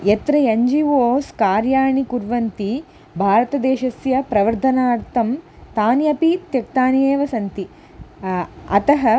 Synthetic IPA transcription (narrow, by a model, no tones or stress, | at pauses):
et̪ɾɐeɲd͡ʒiʋoːskaːɾjaːɳikuɾʋɐnt̪i | bʱaːɾɐt̪ɐd̪eːʃɐsjɐpɾɐʋɐɾd̪ʱɐnaːɾt̪ɐm | t̪aːnjɐpit̪jɐk̚t̪aːnjeːʋɐsɐnt̪i | ɐt̪ɐɦɐ